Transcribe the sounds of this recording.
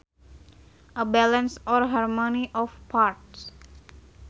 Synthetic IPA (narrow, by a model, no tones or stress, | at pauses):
əbɛlə̃nsɔɾɦaɾmoniʔɔfpʰaɾʈs